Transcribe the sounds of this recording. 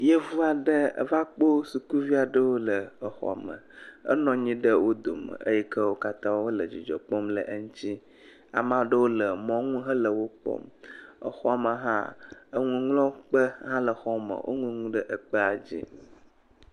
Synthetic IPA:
je˦vu˦a˨ɖə˦ə̰˦va˦k͡po˦su˨ku˦vi˦a˨ɖə˦wo˦lə˨ə˨xɔ̰˨a̰˨mə̰̃˨ə̰˦nɔ̃˨ɲĩ˦ɖə˦wo˦d̪o̰˨mə̰˨ə̰˦jɛ˦kə˦wo˦ka˦t̪ã˦wwo˦lə˨d͡ʑi˨d͡ʒɔ̰˨k͡pɔ˦mlə̰˨ʔə˦ŋũ˦t͡ɕi˦ | a̰˨mã˦ɖə˦wo˦lə˨mɔ̃˨ŋũ˦ɦə˦lə˨wo˦k͡pɔ̰˦mə̰˨xɔ˦a˨mə˨ɦã̰˦ə˦ŋũ˦ŋlɔ̃˦k͡pə˦ɦã˦lə˨xɔ˦mə̰˨wʔo̰˦ŋũ˦ŋũ˦ɖə˦ʔə˨k͡pə˦a˨d͡ʑḭ˦

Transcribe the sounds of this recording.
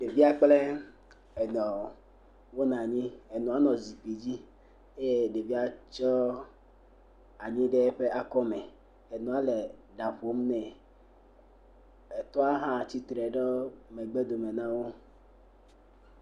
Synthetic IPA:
ɖe˨vi˦a˦k͡plɛ˦ | ɛ˨nɔ̃˨ | wo˦nã˨ɲĩ˦e˨nɔ̃˨a˦nɔ̃˨zi˨pi˨d͡ʑi˦ | je˦ɖe˨vi˦a˦t͡ʃɔ˦ | a˨ɲĩ˦ɖɛ˦ɸe˦ʔa˦kɔ˦mɛ˨ | e˨nɔ̃˨a˦le˨ɖa˨ɸo˦m˦nɛ̃˨ | e˨t̪ɔ˦a˦ɦã˦˨t͡ɕi˦t̪ɾɛ˨ɖɔ˦me˨ɡ͡be˦d̪o˨me˨nã˦wo˦

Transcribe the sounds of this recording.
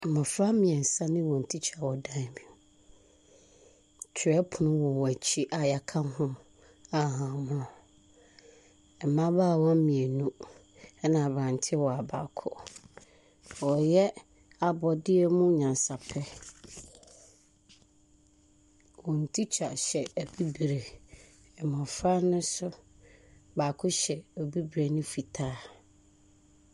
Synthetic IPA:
mã˨fɾa˦mĩ˨ɛ˨n̩˨sã˦nɪ̃˦wɔ̃˨n̩˨tʰi˦t͡ɕʰa˨wɔ˨dã˦˨˦mĩ˨u˨ | t͡ɕʰɪ˨ɾɛ˦pʰʊ˨nʊ̃˦wɔ˨wɔ˨æ˨t͡ɕʰi˦ʔa˨ja˨kʰã˦mɦʊ̃˦ | a˨ɦã˨mʊ̃˦˨ | ɛ˨mã˦baː˦˨wɔ˦mĩ˨e˨nũ˦ | ɛ˦nã˨bɾã˨n˨tʰɪ˦wɔ˨a˨ba˨kʰɔ̰˨ | wɔ˨jɛ˦ | a˨bɔ˨dɪ˦ɛ˦mʊ̃˦ɲã˨nsa˨pʰɛ˦ | wɔ̃˨n̩˨tʰi˦t͡ɕʰa̰˨ɕɛ˨æ˨bi˦bɾe˨ | ɛ˨mã˨fɾa˦nʊ̃˦sʊ˦ | baː˨kʰʊ˦ɕɛ˨ɔ˨bi˦bɾe˨nʊ̃˦fi˨tʰaː˦

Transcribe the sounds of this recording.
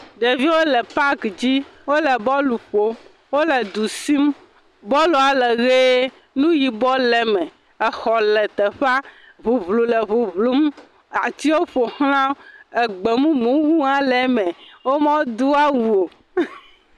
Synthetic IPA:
ɖe˨vi˦wo˦lɛ˨pa˦kd͡ʑi˦wo˦lɛ˨bɔ˦lu˨ɸo˨ | wo˦lɛ˨d̪u˨si˦m | bɔ˦lu˨a˨lɛ˨ɣe˦ | nũ˦ji˨bɔ˦lɛ˨mɛ̃˨ | ɛ˨xɔ˨lɛ˨t̪ɛ˨ɸa˦ | βu˨vlu˨lɛ˨βu˨vlu˦m˦ | a˨t̪i˦wo˦ɸo˨xl̃ã˦ɛ˨ɡ͡be˨mũ˦mũ˦wu˦ã˦lɛ˨mɛ̃˨wo˦mã˦wo˦d̪u˦a˦wu˨o˨

